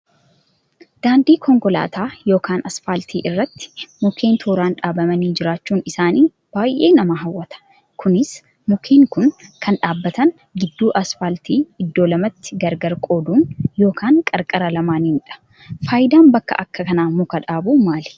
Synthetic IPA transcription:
d̪̥aːnd̪iːkʰɔŋkɔla̰ːt̪ʰaːjo̞ːkaːnɐsfaːlt̪ʰiːʔɪrːɐt̪ːɪ̥mʊkʰe̞ːnt̪ʰuːɾaːnᶑaːbɐmɐniːd͡ʒɪɾaːt͡ʃːuːnɪsaːniː | b̥aːjʔeːnɐmɐɦɐwːɐt̪ɐ̥ | kʰʊnɪs | mʊkʰeːŋkʊnkʰɐnᶑaːbːɐt̪ɐŋ | ɡɪd̪ːuːʔɐsfaːlt̪iːɪd̪ːo̞ːlɐmɐt̪ːɪ̥ɡɐɾɡɐɾkʼo̞ːd̪uːnjo̞ːkʰaːŋkʼɐɾkʼɐɾɐlɐmaːninᶑɐ̥ | faːjɪd̪aːnbɐkːɐ̰ʔɐkːɐkɐnaːmʊkɐᶑaːbumaːl

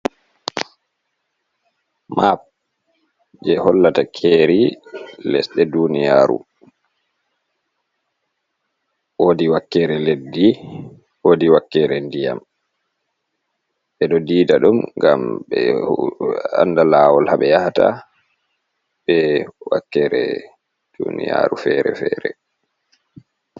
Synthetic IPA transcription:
map̚ | d͡ʒɛhɔlːatakʰeɾilɛ̰sɗɛdunija̰ːɾṵ | woːdiwakːɛɾɛledːi | woːdiwakːɛɾɛndija̰m | ɓɛɗɔdiːdaɗumɡa̰mɓɛ | a̰ndalaːwɔlhaɓɛjahata | ɓɛwa̰kːɛɾɛ̰ | d̥unija̰ɾufɛɾɛ̰fɛːɾɛ

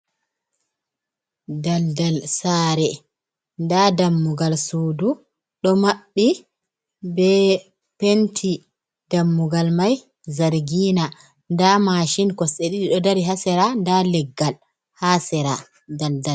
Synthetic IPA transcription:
daldalsaːɾɛ | ndadamːuɡalsuːdu | ɗɔmaɓːi | bɛ | pentʰi | d̥amːuɡalmaj | zaɾɡiːna | ndamaʃinkɔseɗiɗiɗɔdaɾiɦasɛɾandalɛɡːal | hasɛɾa | daldal

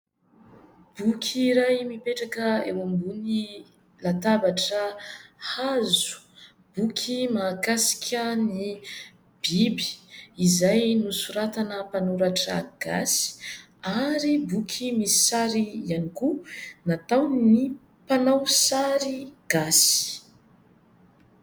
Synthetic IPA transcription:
b̥ukʲʰiɾajmipeʈ͡ʂakəḛwambuni | lat̪abaʈ͡ʂəhazu̥ | b̥ukʲʰimakasi̥kʰʲəni | b̥ibi̥izajnusuɾat̪anəpanuɾaʈ͡ʂə̰ɡ̥a̰si̥ | aɾibukʰimisi̥saɾiianikunat̪awni | panawsaɾiɡ̥asi̥

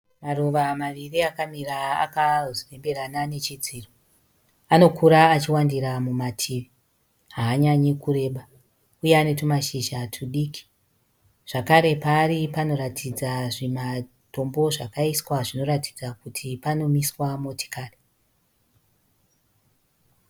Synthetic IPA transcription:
maruʋamaʋiriakamira̰ːkazore̞mbe̞ranane̞t͡ʃid͡ziːro | ano̞kʰuɾaːt͡ʃiwandiɾamumatʰiːʋi | ɦaːɲaɲekure̞ːɓa | ujeanetumaʃiʒatʰuɗiːki̥ | ʐ̥akaɾe̞paːripano̞ɾatʰid͡zaʐima | to̞mbo̞ʐakaiswaʐino̞ɾati̥d͡zakutʰipano̞miswamoti̥kaːri

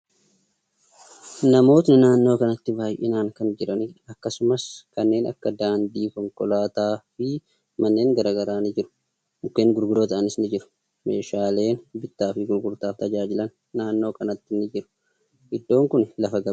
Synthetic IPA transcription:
nɐmo̞ːt̪nɪnaːnːo̞ːkɐnɐt̪ːɪbaːjʔɪ̰naːŋkɐnd͡ʒɪɾɐnɪɐkːɐsʊmɐskɐnːe̞ːnɐkːɐd̪aːnd̪iːkɔŋkɔlaːt̪aːfɪ | mɐnːe̞ːŋɡɐɾaːɡɐɾaːnɪd͡ʒɪɾʊ̥ | mʊkːe̞ːŋɡʊɾɡʊd̪oːt̪ɐʔɐnɪsnɪd͡ʒɪɾʊ̥ | me̞ːʃaːle̞ːnbɪt̪ːaːfɪɡʊɾɡʊɾt̪aːft̪ɐd͡ʒaːd͡ʒɪlɐnːaːnːo̞ːkɐnɐt̪ːɪnːɪd͡ʒɪɾʊ̥ | ʔɪd̪ːo̞ːŋkʊnlɐfɐɡɐ

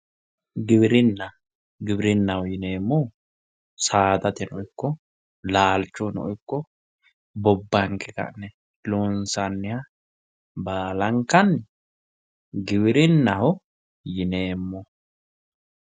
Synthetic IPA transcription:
ɡɪbɪɾɪnːɐ | ɡɪbɪɾɪnːɐhɔjɪneːmːɔ | saːt̪ɐt̪ɛnɔɔɪkːɔ | laːlt͡ʃːɔnɔ̰ʔɔɪkːɔ | bɔbːɐŋkɛkɐ̰ʔnɛ | loːnsɐnːɪha | baːlɐŋkɐn | ɡɪbɪɾɪnːɐhɔ | jɪne̞ːmːɔ

